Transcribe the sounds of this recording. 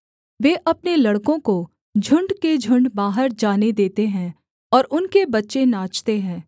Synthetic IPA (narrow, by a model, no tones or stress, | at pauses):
ʋeːʔɐpnelɐɽkõko | d͡ʒʱʊ̃ɳɖked͡ʒʱʊ̃ɳɖbaːɦəɾd͡ʒaːned̪eːt̪eɦɛ̃ | ɔːɾʔʊnkebɐtːʃenaːt͡ʃt̪eɦɛ̃ː